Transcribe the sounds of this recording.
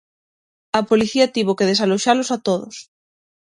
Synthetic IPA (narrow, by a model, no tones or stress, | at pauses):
ɐpoliθiɐt̪iβ̞okeð̞esaloʃalosat̪oðo̰s